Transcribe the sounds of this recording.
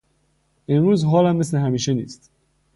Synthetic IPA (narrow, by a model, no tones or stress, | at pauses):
ʔenɾuːzɦɒːlæmːesleɦæmiːʃenḭːst̪